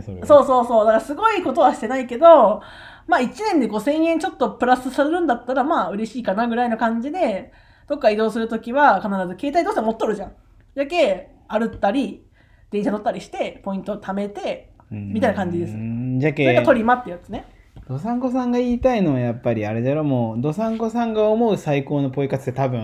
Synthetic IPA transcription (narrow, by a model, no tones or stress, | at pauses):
so̞ːso̞ːso̞ːd̪akaɾasɨɡo̞iko̞t̪o̞βaɕi̥t̪e̞naike̞d̪o̞ | maːit͡ɕinẽ̞nd̪e̞ɡo̞sẽ̞ɰ̃jẽ̞ɲt͡ɕo̞t̪ːo̞pɯ̟ɾasɨsaɾeɾɯ̟̃nd̪at̪ːaɾamaːɯ̟ɾe̞ɕiːkanaɡɯ̟ɾaino̞kãɲ̟d͡ʑid̪e̞ | d̪̥o̞kːaid̪o̞ːsɨɾɯ̟t̪o̞kʲiβakanaɾazɨke̞ːt̪ait̪oɕtemo̞t̪ːoɾɯ̟ʑãŋ | d͡ʑake̞ | aɾɯ̟t̪ːaɾʲi | d̪̥eɰ̃ɕat̪o̞t̪ːaɾʲiɕi̥t̪e̞po̞ĩnt̪oːt̪ʰame̞t̪e̞mʲit̪ainakãɲ̟d͡ʑid̪e̞sɨ̥d͡ʑakeakat̪o̞ɾʲimat̪ːe̟jat͡sɨne | d̪̥o̞sãŋko̞s̬ãŋɡaiːt̪aino̞ajapːaɾʲiaɾe̞d̪aɾomoːd̪o̞sãŋko̞sãŋɡaomo̞ɯ̟saiko̞ːno̞po̞ikat͡sɨ̥t̪ːet̪abɯ̟̃